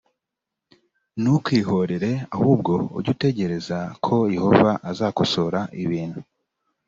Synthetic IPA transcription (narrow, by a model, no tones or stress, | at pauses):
nukwiːɦo̞ɾe̞ɾe̞ahuːb̚ɡo̞̰ːɾɟute̞ɟe̞ɾe̞zakʰo̞je̞ho̞vaʔazaːkoso̞ɾaʔiβiːn̥hu